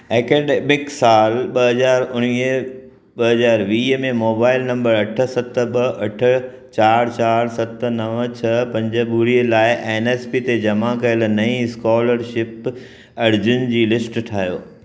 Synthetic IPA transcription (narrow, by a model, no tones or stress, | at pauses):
eːkeːɖemɪksaːlɓɐɦɐzaːɾʊñi | ɓɐɦɐzaːɾʋiːɦmẽmoːbaːɪlnɐ̃mbəɾɐʈʰə̆sɐt̪̆ɓɐʔɐʈʰə̆ | t͡ɕaːɾt͡ɕaːɾsɐt̪̆nɐʋt͡ɕʰɐpɐ̃ɲd͡ʑə̆buɾiəlaːɪʔeːneːspit̪ed͡ʑɐmakɐɪl̆nɐĩskɔːləɾʃɪp | ɐɾd͡ʑʊnd͡ʑiːlɪsʈʈʰaːɦjo̰ː